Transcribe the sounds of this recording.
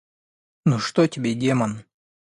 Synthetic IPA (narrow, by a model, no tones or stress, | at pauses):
noʂt̪otʲɪbʲedʲemɐn